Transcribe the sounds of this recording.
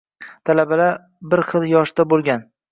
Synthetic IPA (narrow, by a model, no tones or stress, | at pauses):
t̪ʰalabala | bɪɾχɨlˠjɒʃt̪abolˠɡʲan